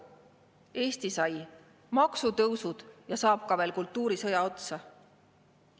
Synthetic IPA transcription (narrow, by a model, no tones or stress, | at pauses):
e̞ːst̪isɑj | mɑksut̪ɤwsud̪̥jɑsɑːp̚kɑveːlkult̪ːuːɾisɤjɑo̞t̪sɑ